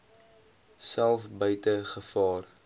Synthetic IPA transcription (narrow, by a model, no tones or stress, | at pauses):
sælˠfbœɥtəχəfɑːr